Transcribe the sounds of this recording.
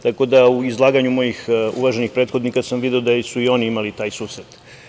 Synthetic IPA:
t̪ako̞d̪auizlˠaːɡaɲumo̞jixṵʋaʒenixpɾeːt̪xo̞d̪nikasamʋid̪eo̞d̪asuio̞niimalit̪aːjsuːsɾet̪

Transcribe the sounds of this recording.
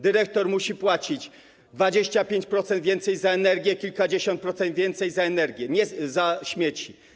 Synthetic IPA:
d̪ɘɾɛk̚t̪ɔɾmuɕipwat͡ɕid͡ʑ | d̪vad͡ʑeɕt͡ɕapʲjeɲt͡ɕpɾɔt̪sɛnd̪vjɛnt̪sɛjzaɛnɛɾɡʲjɛkʲilkad͡ʑeɕɔnt̪̚pɾɔt̪sɛnd̪vʲjɛnt̪sɛjzaɛnɛɾɡʲjɛɲɛzaɕmʲjet͡ɕi

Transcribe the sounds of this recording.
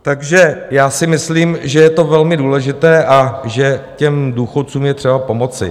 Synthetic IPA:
t̪aɡʒɛjaːsɪmɪsliːmʒɛjɛt̪o̞vɛlmɪduːlɛʒɪt̪ɛːʔaʒɛcɛmduːxot̪̚t͡suːmjɛt̪r̥ɛbapo̞mo̞t͡sɪ̰

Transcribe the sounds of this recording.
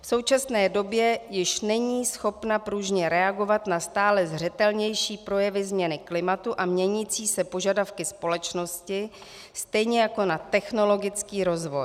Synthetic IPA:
fso̞wt͡ʃasnɛːdo̞bjɛjɪʃnɛɲiːsxo̞pnapɾuʒɲɛɾɛaɡovat̪nast̪aːlɛzr̝ɛt̪ɛlɲɛjʃiːpɾo̞jɛvɪzmɲɛnɪklɪmat̪uʔamɲɛɲiːt͡siːsɛpo̞ʒadafkɪspo̞lɛt͡ʃno̞scɪ | st̪ɛjɲɛjako̞nat̪ɛxno̞lo̞ɡɪt͡skiːɾo̞zvo̞j

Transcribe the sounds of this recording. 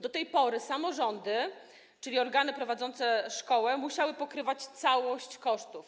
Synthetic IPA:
d̪ɔt̪ɛjpɔɾɘsamɔʐɔnd̪ɘ | t͡ʂɘlʲiɔɾɡanɘpɾɔvad̪zɔnt̪sɛʂkɔwɛmuɕawɘpɔkɾɘvat͡ɕt̪sawɔɕt͡ɕkɔʂt̪uf

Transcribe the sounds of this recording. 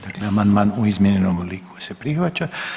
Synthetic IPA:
d̪akleamand̪manuizmʲeɲenomlikʰusepɾixʋat͡ʃa

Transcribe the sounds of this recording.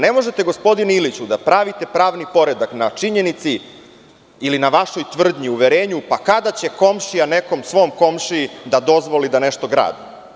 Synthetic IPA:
ne̞mo̞ʒet̪e̞ɡo̞spo̞d̪inilit͡ɕud̪apɾaʋit̪e̞pɾaːʋnipo̞ɾe̞d̪aknat͡ʂiɲe̞nit̪si | ilinaʋaʃo̞jt̪ʋr̩d̪ɲiuʋeɾeːɲupakad̪at͡ɕe̞ko̞mʃijaneko̞msʋo̞ːmko̞mʃiːd̪ad̪o̞zʋo̞lid̪aneʃt̪o̞ɡɾa̰ːd̪i

